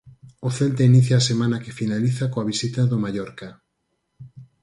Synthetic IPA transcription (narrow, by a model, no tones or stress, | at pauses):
oθelt̪ainiθjaasemãnɐkefinaliθakoaβisit̪aðomajɔɾka